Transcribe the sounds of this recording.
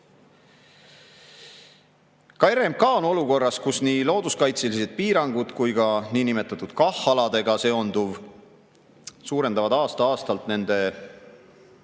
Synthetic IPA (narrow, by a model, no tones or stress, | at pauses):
kɑeɾe̞mkɑono̞luko̞rːɑskusniːlo̞ːd̪̥uskɑjt̪selise̞d̪̥̚piːɾɑŋɡ̥ud̪̥kujɡ̥ɑniːnime̞t̪ːˑɑt̪ːˑud̪̥kɑhːɑlɑd̪̥e̞ɡ̥ɑse̞o̞nd̪uv | suːɾe̞nd̪ɑvɑd̪̥ɑːst̪ɑɑːst̪ɑlt̪ne̞nd̪̥e̞